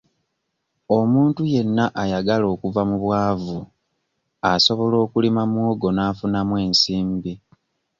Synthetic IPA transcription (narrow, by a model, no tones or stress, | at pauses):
omuːntuje̞nːaʔajaɡalo̞ːkuvamuβwaːvu | aso̞βo̞lo̞ːkulimamwoɡo̞naːfunamwe̞ːnsiːmbi